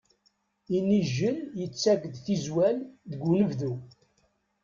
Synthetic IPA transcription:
inːiʒːəljət͡sːækðθizwælðəɡunəvðu

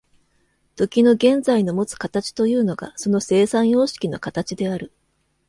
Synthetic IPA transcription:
t̪o̞kʲino̞ɡẽ̞nd͡zaino̞mo̞t͡sɨ̥kat̪at͡ɕi̥t̪o̞jɯ̟ːno̞ɡa̰so̞no̞se̞ːsãɰ̃jo̞ːɕi̥kʲino̞̰kat̪at͡ɕid̪e̞aɾɯ̟

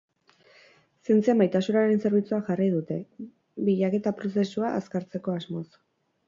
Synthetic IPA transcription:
sient͡siamajt̪asunaɾe̞nse̞ɾβ̞it͡suaʝarið̞ut̪e̞ | biʎake̞t̪apɾo̞se̞suaʔaskaɾt͡se̞ko̞azmo̞s

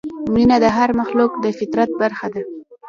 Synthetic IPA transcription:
minad̪əɦaɾmaxlukd̪əfɪt̪ɾat̪̚baɾxad̪a

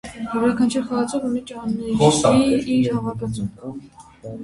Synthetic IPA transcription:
jɛvɾɑkʰɑnt͡ʃʰɛɾχɑɑt͡sɔvunit͡ʃɑnːɛɔiiɾhɑvɑk̪ɑt͡sum

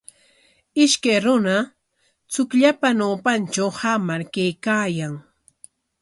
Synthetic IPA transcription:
ɪʃkajɾʊna | t͡sʊkʎapanaːpant͡ʃawhamaɾkajkaːjaŋ

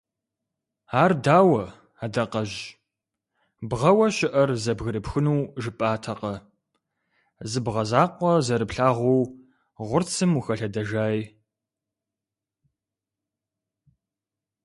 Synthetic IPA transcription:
aːrdaːwɐ | aːdɐqɐʑ | bʁɐwɐɕɪʔɐrzɐbɣɨɾɨpxɨnuːʒɨpʼaːtʰɐqɐ | zɨbʁɐzaːqʷɔzɐɾɨpɬaːʁʷow | ʁʷʊrt͡sʰɨmuxɐɬɐdɐʒaːjj

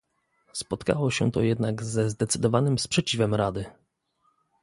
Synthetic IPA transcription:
spɔt̪ka̰wɔɕɛ̰t̪ɔ̰jɛd̪naɡzɛzd̪ɛt̪sɘd̪ɔvanɘmspʂɛt͡ɕivɛmɾad̪ɘ

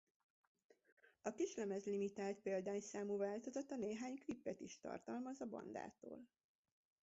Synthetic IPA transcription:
ɒkiʃlɛmɛzlimit̪aːlt̪̚peːld̪aːɲsaːmuvaːlt̪ozot̪ɒneːɦaːɲklipːɛt̪iʃt̪ɒ̰rt̪ɒlmɒzɒbɒ̰nd̪a̰ːt̪o̰ːl

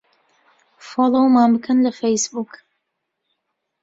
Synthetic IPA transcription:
folˠowmanbɨkʰənlɐfejsbuk

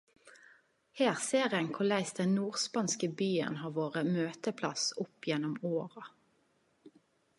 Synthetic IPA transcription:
heːʁseːʁɪɛŋkʰʊlæɪsd̪ɛnnuːʁspɑnskəbyːə̰nɦɑːʋoːʁəmøːt̪əpʰlɑ̰sʊpːjɛnːɔmoːʁɑ

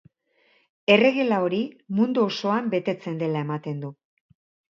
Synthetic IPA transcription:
e̞re̞ɣe̞lao̞ɾimund̪uo̞so̞ambe̞t̪e̞t͡se̞nd̪e̞lae̞mat̪e̞nd̪u

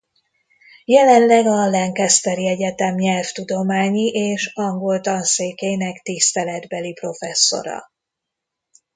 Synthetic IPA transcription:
jɛlɛnlɛɡɒlɛŋkɛst̪ɛɾiɛɟɛt̪ɛmɲɛlft̪ud̪o̞maːɲiʔeːʃɒŋɡo̞lt̪ɒnseːkeːnɛkt̪ist̪ɛlɛd̪bɛlipro̞fɛsːo̞̰ɾɒ̰

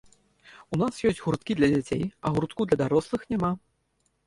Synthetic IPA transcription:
unasjɔsʲt͡sʲɣuɾt̪kʲid̪lʲɐd͡zʲat͡sʲḛjɐɣuɾt̪kud̪lʲɐd̪aɾɔslˠɨxnʲama

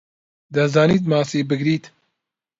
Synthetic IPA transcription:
d̪ɐzɑːniːt̪mɑːsibɨɡɾiːt̪

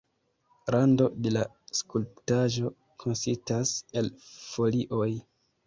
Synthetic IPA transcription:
ɾando̞de̞la | skulptaʒo̞ | kʰo̞nsistase̞lfo̞liʔo̞j

